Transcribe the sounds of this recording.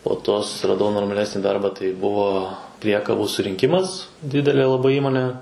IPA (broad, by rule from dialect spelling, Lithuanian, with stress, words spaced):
poː ˈtoː sʊsʲɪrɐˈdɐʊ noːrmɐˈlʲæːsʲnʲiː ˈdɐrbɑː tɐɪ ˈbʊʋoː ˈpʲrʲiɛkɐbuː sʊrʲɪŋʲˈkʲɪmɐs ˈdʲɪdʲɛlʲeː lˠɐˈbɐɪ ˈiːmoːnʲeː